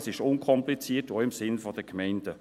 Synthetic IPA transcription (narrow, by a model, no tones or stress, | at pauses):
sɪʃʊnkʰɔmplit͡siːətoɪmsɪnfɔd̥əkmɛɪnd̥ə